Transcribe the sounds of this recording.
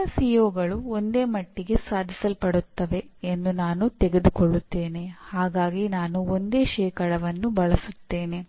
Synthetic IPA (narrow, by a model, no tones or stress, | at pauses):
ɐsijoːɡɐɭuond̪e̞ːmɐʈːiɡe̞saːd̪ʱisɐlpɐɽut̪ːɐʋe̞end̪unaːnut̪eɡe̞d̪ukoɭːut̪ːeːne̞haːɡaːɡinaːnuond̪e̞ːʃɛːkɐɽɐʋɐnːubɐɭɐsut̪ːe̞ːne̞